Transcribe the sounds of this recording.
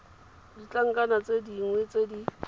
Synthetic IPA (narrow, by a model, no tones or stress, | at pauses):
dit͡ɬʼaŋ̩kʼanat͡sʼediŋwet͡sʼedi